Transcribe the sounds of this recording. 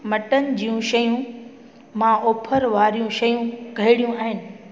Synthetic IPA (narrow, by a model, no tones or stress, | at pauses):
mɐʈənɪ̆d͡ʑiːjũʃɐjũ | mãoːpʰəɾʋaːɾijũʃɐjũɡʱɐɪɽijũaːɦɪnɪ̆